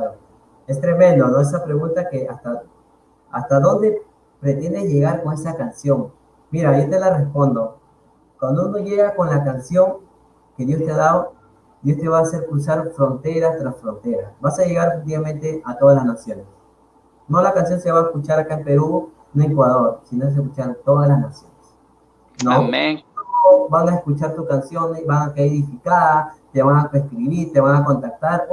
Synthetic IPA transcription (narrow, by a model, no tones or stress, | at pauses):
o | e̞st̪ɾe̞mẽ̞nd̪onoesapɾe̞ɣunt̪akeast̪a | ast̪aðo̞nd̪e̞ | pɾe̞t̪e̞nd̪e̞ʝe̞ɣaɾko̞ŋe̞sakansjo̞ŋ | miɾajot̪elare̞spo̞nd̪o̞ | kwand̪ouno̞ʝe̞ɣako̞nlakansjo̞ŋ | ke̞ðjo̞st̪e̞aðaðo | d̪jo̞st̪e̞βaːse̞ɾkɾusaɾfɾo̞nt̪e̞ɾast̪ɾasfɾo̞nt̪e̞ɾasbasaʝe̞ɣaɾefek̚t̪̬iβament̪e̞ʔat̪oðalasnasjo̞nes | no̞lakansjo̞nse̞βaeskut͡ʃaɾakaempe̞ɾu | noeŋkwaðo̞ɾsinoes̬eskut͡ʃaɾt̪o̞ðalasnasjo̞nes | nooobaŋaeskut͡ʃaɾt̪uskansjo̞nebaŋakeeɾðifikaðat̪e̞βaŋaeskɾiβiɾt̪e̞βaŋako̞nt̪ak̚t̪aɾ